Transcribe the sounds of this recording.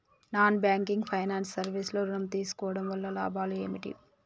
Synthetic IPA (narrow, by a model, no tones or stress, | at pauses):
naːnbjaːŋkiŋɡpʰɐjnaːnsːɐɾʋisloːɾunɐmt̪iːsu̥kɔːʋɐɽɐmʋɐlːɐla̰ːbʱaːlue̞ːmiʈḭ